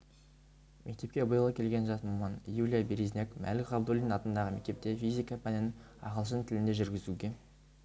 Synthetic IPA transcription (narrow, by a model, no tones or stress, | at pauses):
mʔe̞k̚t̪e̞p̚kʲe̞bəjəlˠəkʲʰe̞lɡʲe̞nʒɑt̪momɑnjulʲijabeɾiznʲe̞kmʔæ̰lɪʁɑbd̪olʲinnɑt̪ənd̪ɑʁəme̞kt̪e̞p̚t̪e̞fizʲikɑpʰænɪnɪ | ɑ̰ʁəlˠʃ̬ənt̪ʰɪlɪnd̪e̞ʒʏɾɡʲɪzuɡʲe̞